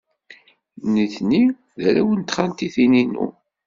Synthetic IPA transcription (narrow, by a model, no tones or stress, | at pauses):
niθni | ðæɾæwənt̪χant̪iθininṵ